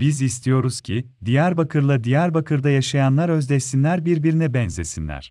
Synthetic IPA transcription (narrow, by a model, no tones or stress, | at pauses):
bizist̪ʰijo̞ɾuz̥cʰid̪ijæɾbakʰɯɾlˠad̪ijæɾbakʰɯɾd̪ajaʃajanlˠaɾø̞zd̪ɛsinlʲæɾbiɾbiɾinɛbɛnze̞sinlʲæ̰ɾ̥